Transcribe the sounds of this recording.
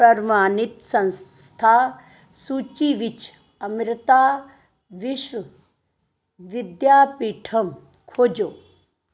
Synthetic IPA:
pɾɐɾmaːnit̪sɐ̃nst̪ʰaː | sut͡ʃiʋit͡ʃ | ɐmɾɪt̪aː | ʋiʃʋɐ | ʋɪd̪jaːpiːʈʰɐm | kʰoːd͡ʒoː

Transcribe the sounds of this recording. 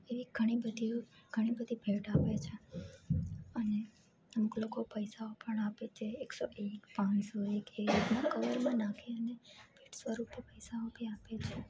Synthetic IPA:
eʋiɡ̥ʱəɽ̃ibəd̪ʱiɡʱəɽ̃ibəd̪ʱibʱeʈapet͡ʃʰe | əne | əmuklokopəjsaopəɳapet͡ʃʰeːksoʔekpãnsoekeiknãkəʋəɾmə̃nakʰeəneb̥ʱeʈsʋəɾupəpəjsaobʱiapet͡ʃʰe

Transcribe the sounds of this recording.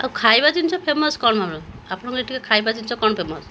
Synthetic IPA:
a̰wkʰajbad͡ʒint͡ʃʰɔpʰemɔskɔɳɔmamɭɔ | apɔɽ̃ɔŋkueʈʰikakʰajbad͡ʒint͡ʃʰɔkɔɳɔpʰemɔs

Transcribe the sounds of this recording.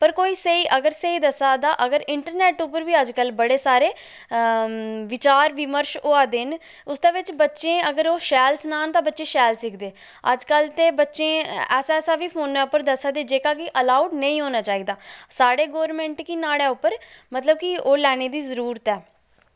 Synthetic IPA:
pəɾkoːiːsəiːʔəɡəɾsəiːd̪əsaːd̪aːʔəɡəɾɪɳʈəɾnɛːʈʊpəɾʋiːəd͡ʒkəlbəɽeːsaːɾeː | ʋɪt͡ʃaːɾʋɪməɾʃoːaːd̪ɪn | ʊsd̪eːʋɪt͡ʃbətːʃẽːəɡəɾoːʃɛːlsənaːnt̪ãːbətːʃẽːʃɛːlsɪkʰd̪eː | ə̰d͡ʒkəlt̪eːbətːʃẽːɛːsaɛːsaːʋiːpʰoːnːɛːʊpːəɾd̪əsaːd̪eːd͡ʒeːkaːkɪʔəlaːuɖnəĩːɦoːnaːt͡ʃaːiːd̪aːsaːɽeːɡoːɾmɛ̃ːɳʈkinaːɽeːʊpːəɾmət̪ləb̚kioːlɛːɽ̃eːd̪iːzəɾuːɾət̪ɛː

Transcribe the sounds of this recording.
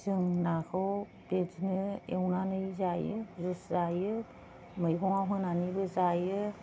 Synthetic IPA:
zɯŋnakʰɯ | bed͡ʒnɯewnanɯjzajɯzɯszajɯ | mɯjkʰɔŋaɦɯnanibɯzajɯ

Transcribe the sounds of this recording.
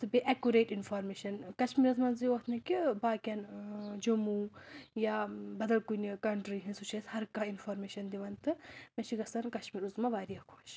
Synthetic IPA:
sɨbeʔɛkuɾeːʈinfʰoːɾmeːʃɐnkɐʃmiːɾɐzmɐnziot̪ʰnɐkʲibaːkʲɐnd͡ʒomujabɐd̪ɐlkunikɐɳʈɾiɦĩnsut͡ʃʰeshɐɾkainfoɾmeːʃɐnd̪iʋɐnt̪ɨmẽt͡ʃʰiɡɐsɐnkɐʃmiːɾuzmaʋaːɾijɐkʰoːʃ

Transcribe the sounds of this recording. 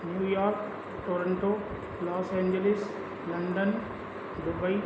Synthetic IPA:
njuːjaːɾk | ʈoːɾəɳʈo | lɔːsẽːɲd͡ʒelɪs | lɐɳɖən | ɖ̪ʊbəi

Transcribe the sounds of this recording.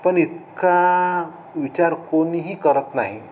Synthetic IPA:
pəɳit̪ka | ʋit͡ɕaɾkoniɦiːkəɾət̪naɦi

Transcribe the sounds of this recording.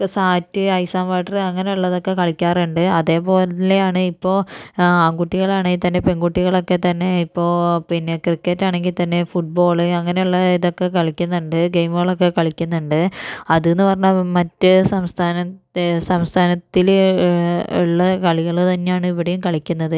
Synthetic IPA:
saːtːɨɐjsaːmʋaːʈːɐrɨɐŋːɐne̞uɭːɐðo̞kːe̞kɐɭikʲːaːruɳɖɨɐðe̞ːpo̞ːlɐt̪ileaːɳɨipːo̞ːaːŋɡuʈːiɣɐɭaːɳɨit̪ɐnːepe̞ŋɡuʈːiɣɐɭo̞kːe̞t̪ɐnːe̞ipːo̞ːpinːekrikːɐtːaːɳe̞ŋɡilt̪ɐnːe̞fuʈ̚bo̞ːɭɨɐŋːɐne̞uɭːɐiðo̞kːe̞kɐɭikʲːunːuɳɖɨɡejmuɣɐɭo̞k̬ːe̞kɐɭikʲːunːuɳɖɨɐðenːɨpɐrɐɲːamɐtːɨsɐmst̪ʰaːnɐsɐmst̪ʰaːnɐt̪ːil | ṵɭːɐkɐɭiɣɐɭt̪ɐnːejaːɳɨiʋɐɽejumkɐɭikʲːunːɐðɨ

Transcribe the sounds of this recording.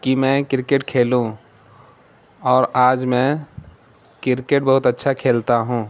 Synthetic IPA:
kimɛ̃kɪɾkeʈkʰeːlũ | ɔːɾaːd͡ʒmɛ̃ | kɪɾkeʈ̚bɐɦʊt̪ətːʃʰakʰeːlt̪aɦũː

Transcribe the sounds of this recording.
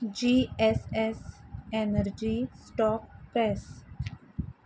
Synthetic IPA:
d͡ʒiːɛsɛsenəɾd͡ʒisʈɔːk̚pɾɛs

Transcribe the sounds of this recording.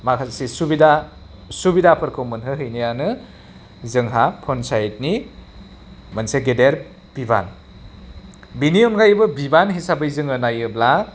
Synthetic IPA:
makʰasisubida | subidapʰɯɾkʰɯwmɯnɦɯɦɯjnijanɯ | zɯŋɦapʰɔnsajt̚ni | mɐnseɡedeɾ | b̥iba̰n | biniɔnɡajbɯbibanɦisabɯjzɯŋɯnajɯbla

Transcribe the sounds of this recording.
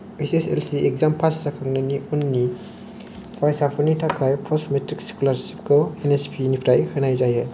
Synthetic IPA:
esesḛlsiʔek̚zampʰassakʰaŋnaniɔnːi | pʰɾajsapʰɯɾnitʰakʰajpʰɔsmetɾiksi̥kulaɾsi̥p̚kʰɔenespʰinipʰɾajhɯnajzajɯ

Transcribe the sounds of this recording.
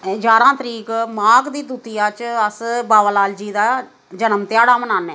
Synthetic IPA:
d͡ʒaːɾãːt̪əɾiːkmaːɡd̪iːd̪uːt̪ijãːt͡ʃəsbaːʋəlaːld͡ʒiːd̪aː | d͡ʒənəmt̪ɪjaːɽaːmənaːnɛː

